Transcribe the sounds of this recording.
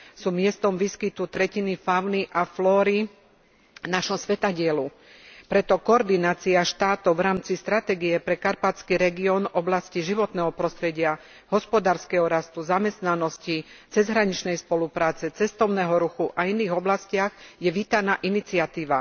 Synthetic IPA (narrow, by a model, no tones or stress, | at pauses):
suːmɪɛst̪ɔmʋiskit̪ut̪ɾɛcinifaʊniʔaflɔːɾi | naʃɔmsʋɛt̪aɟɪɛlu | pɾɛt̪ɔkɔɔɾd̪inaːt͡siaʃt̪aːt̪ɔʊʋɾaːmt͡sist̪ɾat̪ɛːɡiɛpɾɛkaɾpat͡skiɾɛɡiɔnɔblasciʒiʋɔt̪nɛɦɔpɾɔst̪ɾɛɟɪa | ɦɔspɔd̪aːɾskɛɦɔɾast̪uzamɛst̪nanɔscit͡sɛzɦɾaɲit͡ʃnɛjspɔlupɾaːt͡sɛt͡sɛst̪ɔʊnɛːɦɔɾuxuʔainiːɣɔblascɪaɣjɛʋiːt̪anaːʔinit͡sɪat̪iːʋa